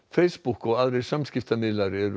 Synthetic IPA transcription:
fɛɪsbʊkoːɑld̪ɾɛsɑmskɪft̪ɑmɪd̪lɑɾɛɾ

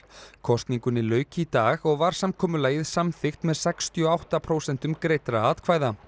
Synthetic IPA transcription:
kʰɔst̪niŋkʏnɪlœːɥcɪit̪aːɣɔɣvaɾ̥samkʰɔːmʏlaːjɣɪðsamθɪxt̪mɛðsɛkst̪iɔawht̪apʰɾowsɛn̥t̪ʏmkɾejt̪ɾaaːt̪kʰvaːjða

